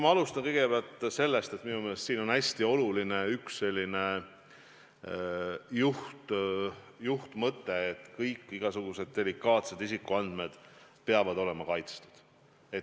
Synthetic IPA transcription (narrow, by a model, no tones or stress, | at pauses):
mɑɑlust̪ɑnkɤjɡ̥e̞beɑlt̪se̞lːe̞st̪e̞t̪minumelest̪siːno̞næsʲt̪io̞luline̞yksːe̞lʲːine̞ | juht̪ | juht̪mɤt̪ːe̞ːt̪ːˑkɤjkːˑiɡ̥ɑsuɡ̥use̞d̪̚d̪̥e̞likːˑɑːt̪se̞d̪isikːˑuɑnd̪̥me̞d̪̥peɑvɑd̪̥o̞le̞mɑkɑjt̪st̪u̥d̪̥ | et̪